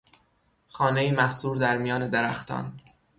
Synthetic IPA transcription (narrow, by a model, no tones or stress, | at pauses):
xɒːnejiːmæhsuːɾd̪æɾmijɒːne̞d̪eɾæxt̪ʰɒ̰ːn